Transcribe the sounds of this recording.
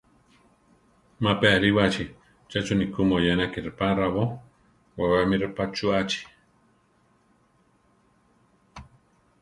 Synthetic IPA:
mapeaɾiwat͡ʃi | t͡ʃat͡ʃunikumojanakiɾpaɾaβo | wawamiɾapat͡ʃuat͡ʃi̥

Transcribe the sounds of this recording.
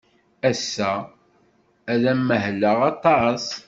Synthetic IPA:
æsːæ | æðæmːəɦlːəʁɑt̪ˤɑs

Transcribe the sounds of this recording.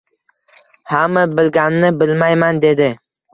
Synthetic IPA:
hamabɪlɡʲanːɪbɪlmajmand̪e̞d̪ɪ

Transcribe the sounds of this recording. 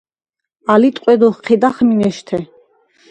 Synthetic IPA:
alit̪ʼqʼwɛd̪ɔχqʰɛd̪aχminɛʃt̪ʰɛ

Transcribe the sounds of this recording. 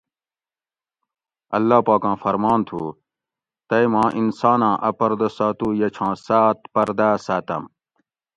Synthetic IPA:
ɐlːaːpaːkãːfɐɾmaːnt̪ʰṵː | t̪ɐjmãːʔinsaːnãːʔɐpɐɾd̪ɐsaːt̪uːjɐt͡ɕʰãːsaːt̪̚pɐɾd̪aːsaːt̪ɐ̰m

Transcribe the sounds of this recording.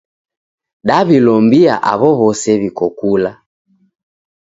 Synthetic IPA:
ɗaβilɔmbia̰ʔa̰βɔβɔsɛβikɔkula

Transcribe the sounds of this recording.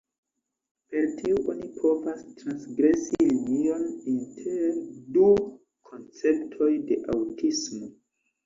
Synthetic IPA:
pe̞ɾtiuʔonipʰo̞vastɾansɡɾe̞silinio̞nintʰeɾdu | kʰo̞nt͡se̞ptʰo̞jde̞ʔawtʰismo̞

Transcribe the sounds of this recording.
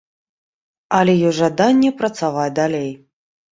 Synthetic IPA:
ɐlʲɛjɔʐad̪anʲːɛpɾɐt̪savad̪alʲej

